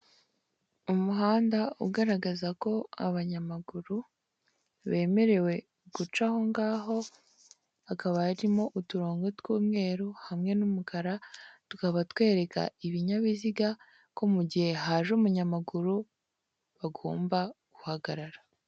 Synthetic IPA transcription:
umuɦaːndaṵɡaɾaɡazako̞a̰βaɲamaɡuɾu | βe̞ːme̞ɾe̞we̞ | ɡ̥ut͡ʃaho̞ŋɡaːɦo̞ | akaβajaɾimo̞ʔutuɾo̞ːŋɡotwuːmŋe̞ːɾuhamŋe̞numukʰaɾatukaβatwe̞ːɾe̞ka̰iβiɲaβiziɡa | ko̞muɟihe̞ɦaːʒumuɲamaɡuɾu | βaɡo̰ːmbaɡ̥uhaɡaɾaɾa

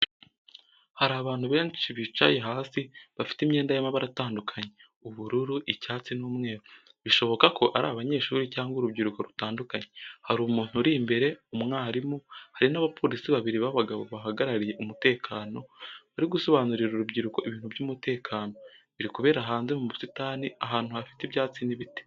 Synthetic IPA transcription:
haɾaːβaːn̥huβe̞ːnʃiβit͡ʃa̰je̞ɦaːsiβafi̥timɲe̞ːndajamaβaɾataːndukʰaɲe̞ | uβuɾuɾuʔicaːt͡sinuːmŋe̞ːɾo | βiʃo̞βo̞kako̞ʔaɾa̰ːβaɲe̞ːʃuːɾicaːŋɡoɾubɟiɾuko̞ɾutaːndukaɲehaɾuːmuːn̥huɾiːmbe̞ɾe̞umŋaːɾimuhaɾinaβapo̞ːɾisiβaβiɾiβaβaɡaβo̞βaɦaɡaɾaɾije̞ʔumute̞ːkʰaːno̞βaɾiɡuso̞βaːnuɾiɾuɾubɟiɾuko̞ʔiβiːn̥hubɟumute̞ːkʰaːno̞βiɾikuβe̞ːɾaɦaːnzemumusitaːniaɦaːn̥huhafi̥tiβjaːt͡siniβite̥

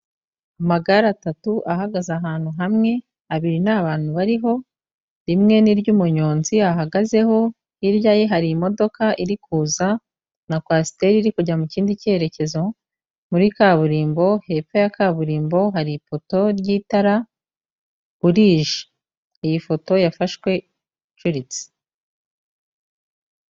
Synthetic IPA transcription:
amaɡaɾatatuʔahaɡazaɦaːn̥huɦamŋe̞ | aβiɾinaβaːn̥huβaɾiɦo̞ | ɾimŋe̞niɾɟuːmuɲo̞ːnziaɦaɡaze̞ho̞ | iɾjajeɦaɾimo̞do̞kaʔiɾikuːza | nakwasi̥te̞ɾiɾikuɟamuciːndice̞ɾe̞ce̞zo̞ | muɾikaβuɾiːmbo̞he̞pejakaːβuɾiːmbo̞ɦaɾipo̞to̞ɾjiːtaɾa | βuɾiːʒi̥ | ijifo̞to̞jafaʃwe̞ | t͡ʃuɾit͡si̥

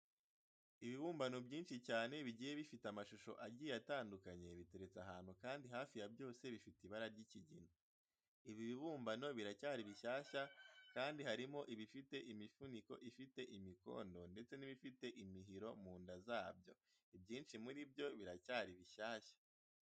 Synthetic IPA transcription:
iβiβuːmbanobɟiːnʃicaːne̞βiɟiːje̞βifitamaʃuʃo̞̰ʔaɟiːeataːndukaɲe̞βite̞ɾe̞t͡saɦaːn̥hukaːndiɦaːfijabjo̞ːse̞βifitiβaɾaɾɟiciɟino | iβiβiβuːmbano̞βiɾacaːɾiβiʃaːʃakaːndihaɾimo̞ʔiβifite̞ʔimifuniko̞̰ʔifite̞ʔimiko̞̰ːndo̞nde̞t͡se̞niβifite̞ʔimiɦiɾo̞muːndazaːbjo̞̰ | ibjiːnʃimuɾibjo̞βiɾacaːɾiβiʃaːʃḁ

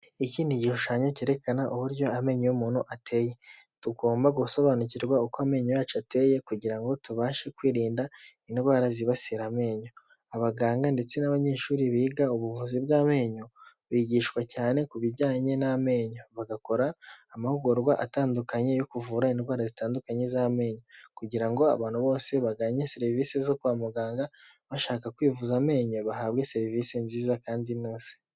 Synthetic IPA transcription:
iciːniɟihuʃaːɲo̞ceɾe̞kanaʔuβuɾjo̞ame̞ːɲojumuːnuʔatʰe̞je̞ | tuɡo̞ːmbaɡuso̞βanuciɾɡwaukoame̞ːɲojaːt͡ʃate̞je̞kuɟiɾaŋɡo̞tuβaːʃe̞kwiːɾiːnda | indwaːɾaziβasiɾame̞ːɲo | aβaɡaːŋɡande̞t͡se̞naβaɲe̞ːʃuːɾiβiːɡauβuvuzibɡaːme̞ːɲo | βiːɟiːʃkwacaːne̞kuβiɾɟaːɲe̞name̞ːɲo̞βaɡako̞ɾaːmahuɡoɾɡwaʔataːndukaɲe̞jokuvuːɾaindwaːɾazitaːndukaɲe̞zame̞ːɲokuɟiɾaŋɡo̞a̰βaːn̥huβo̞ːse̞βaɡaːɲe̞seɾiviːsezo̞kuamuɡaːŋɡaβaʃaːkakwiːvuzame̞ːɲo̞βahaβɡe̞se̞ɾivisenziːzakaːndinoːse̥

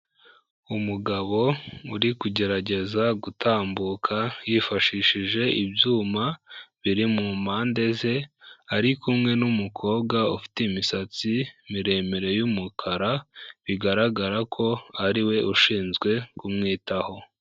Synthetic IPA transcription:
umuɡaβo̞uɾikuɟe̞ɾaɟe̞zaɡutʰaːmbukʰajifaʃiːʃiʒe̞ʔibjuːmaβiɾimumaːnde̞ze̞aɾikumŋe̞numukʰo̞ːbɡaufi̥teimisat͡simiɾe̞ːmeɾe̞jumukʰaɾaβiɡaɾaɡaɾakʰo̞aɾiwe̞ʔuʃiːnzɡwe̞kumŋiːtaho̞

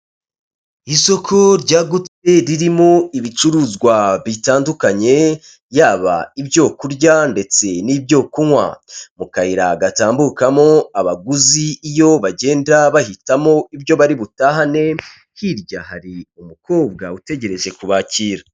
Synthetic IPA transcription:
iso̞kʰo̞ɾɟaːɡut͡se̞ɾiɾimo̞iβit͡ʃuɾuːzɡwaβitaːndukaɲe̞ | jaːβa̰ibjo̞kuɾɟande̞t͡se̞nibɟo̞ːkuwa̰mukahiɾa̰ɡataːmbukamo̞aβaɡuziːjo̞βaɟe̞ːndaβahitamo̞ibjo̞βaɾiβutaɦane̞ | hiɾɟahaɾiumuko̞ːb̚ɡa̰ute̞ɟe̞ɾe̞ʒe̞kuβaciːɾa

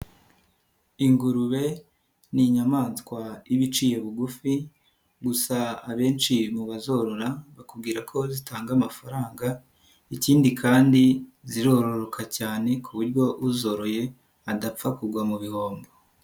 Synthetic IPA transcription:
iŋɡuɾuβe̞ | niɲamaːnskwaiβit͡ʃije̞βuɡufi | ɡusaaβe̞ːnt͡ʃimuβazo̞ɾoɾaβakub̚ɡiːɾakʰo̞zitaːŋɡamafaɾaːŋɡa | iciːndikʰaːndiziɾo̞ːɾo̞ɾo̞kʰacaːne̞kʰuβuɾɟjo̞uzo̞ɾo̞je̞ | adap͡fakuɡwamuβiho̞ːmbo

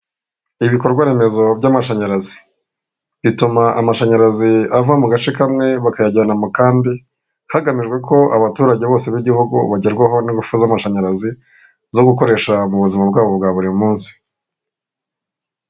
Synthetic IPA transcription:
iβiko̞ɾɡwaɾe̞me̞zo̞bɟaːmaʃaɲaɾazi | βitumaʔamaʃaɲaɾaziavamuɡat͡ʃekamŋe̞βakajaɟanamukaːmbi | haɡamiʒɡwe̞kʰo̞aβatuːɾaɟe̞βo̞ːse̞βiɟihuɡṵβaɟeɾɡwaɦo̞niɡufuzamaʃaɲaɾazi | zo̞ɡuko̞ɾe̞ːʃamuβuzimab̚ɡaːβo̞bɡaːβuɾimumuːnsi̥

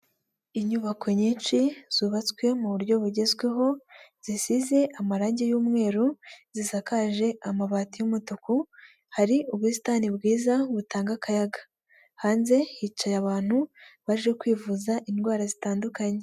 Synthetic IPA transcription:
iɲuβakʰo̞ɲiːnt͡ʃiz̥uːβat͡skwe̞muβuɾɟo̞βuɟe̞zɡwe̞ɦo̞z̥isize̞ʔamaɾaːɲɟejuːmŋe̞ːɾuzisakaʒe̞amaβatijumutuku | haɾiuβwusi̥taːnibɡiːzaβutaːŋɡakajaɡḁ | haːnze̞hit͡ʃajaβaːn̥huβaʒe̞kwiːvuzaʔinɡwaːɾazitaːndukaɲe

